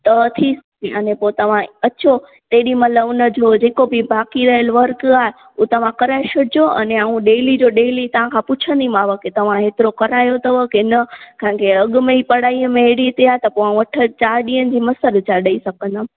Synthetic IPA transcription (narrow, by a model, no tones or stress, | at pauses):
t̪ɐt̪ʰis | iɐnẽpoːt̪ɐʋ̤ãɐt͡ɕo | t̪eːɗimɐləʊnə̆d͡ʑod͡ʑeːkobɪbaːkiɾɐɦəlʋɐɾkaːɦe | uːt̪ɐʋ̤ãkɐɾaːeʃʰʊd͡ʑoʔɐ̰neaːũɗeːlid͡ʑoɗeːlit̪ɐʋ̤ãkʰãpʊt͡ɕʰə̃nd̪imaːʋəket̪ɐʋ̤ãɦeːt̪ɪɾokɐɾaːjot̪ɐʋəkeɪnəkãɦɪ̃kʰeɐɠʊmẽipɐɽaːiːəmẽɦeɽit̪ʰiaːɦet̪ɐpoãʋɐʈʰə̆t͡ɕaːɗĩːənɪ̆d͡ʑiːmɐsəlt͡ɕaɗɐisɐɡʱə̃nd̪aː